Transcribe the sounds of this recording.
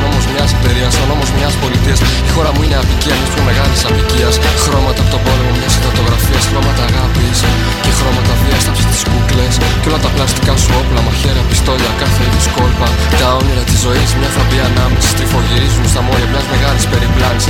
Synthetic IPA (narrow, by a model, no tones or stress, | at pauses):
o̞mo̞zmɲɐspe̞ɾiɐsono̞mo̞zmɲɐspo̞lit̪iɐs | ixo̞ɾɐmuineɐviciɐnisumeme̞ɣɐlisɐpiciɐsxɾo̞mɐt̪ɐpot̪obo̞lemo̞mɲɐsifot̪o̞ɣɾɐfiɐsxɾo̞mɐt̪ɐːɣɐpis | ce̞xɾo̞mɐt̪ɐviɐst̪ɐpsest̪i̥skukle̞s | ceo̞lɐt̪ɐplɐst̪ikɐsuo̞plɐmɐçe̞ɾɐpist̪o̞ʎɐkɐθeitisko̞lpɐ | t̪ɐoɲoɾɐt̪izːo̞ismɲɐfɾɐpiɐnɐmisi̥st̪ifo̞ʝiɾizunst̪ɐmo̞jɐmɲɐzme̞ɣɐlisbe̞ɾiplɐnis